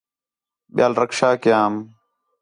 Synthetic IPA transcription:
ɓɪjaːlɾəkʃaːkɪjaːm

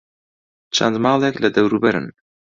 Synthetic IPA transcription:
t͡ʃʰa̰nd̪mɑːlˠeklɐd̪ɐwɾubɐɾɨ̰n

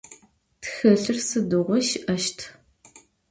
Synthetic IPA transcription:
txɐɬɨrsɨdɨʁʷɔʃʔɐʃtʰ

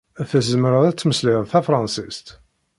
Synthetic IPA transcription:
æθæzəməɾəðæt͡sːməsliðθæfɾˤɑnsist̪

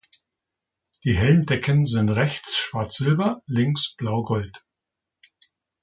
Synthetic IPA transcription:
d̥iːɦɛlndɛkʰənzɪntʁɛçt͡sʃv̥aɐt͡sz̥ɪlbɐlɪŋsb̥laʊɡɔlt

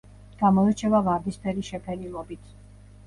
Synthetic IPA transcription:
ɡ̥amɔɛt͡ʃʰɛvavaɾd̪ispʰɛɾiʃɛpʰɛɾilˠɔbit̪ʰ

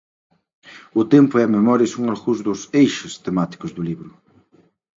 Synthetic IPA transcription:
ʊt̪ẽmpʊɛmemɔɾjɐsũŋaɾɣuzd̪ʊsejʃɪst̪emat̪i̥kʊzðʊliβɾʊ

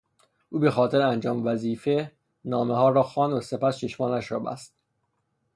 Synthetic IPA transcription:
ʔuːbexɒːt̪ʰe̞ɾeænd͡ʒɒːmevæziːfe | nɒːmeɦɒːɾɒːxɒːnd̪ose̞pæst͡ʃʰe̞ʃmɒːnæʃɾɒ̰ːbæ̰st̪̚

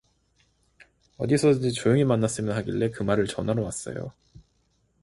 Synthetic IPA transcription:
ʌ̰disʰʌdɯnd͡ʑit͡ɕojoŋimanːas͈ɯmjʌnɦaɡiɭːe̞kɯmaɾɯɭt͡ɕʌnaɾowas͈ʌ̰jo̰

